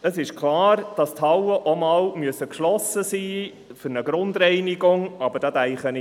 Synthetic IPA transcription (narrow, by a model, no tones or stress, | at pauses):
əsɪʃklɑːɾd̥ɑst̪ʰhɑwəʔɔmɑːlmyəsəkʃlɔsəsiː | fʏɾnəɡɾʊnd̪ɾɛɪniɡʊŋɑbəd̥ɑd̪ɛɪχənɪ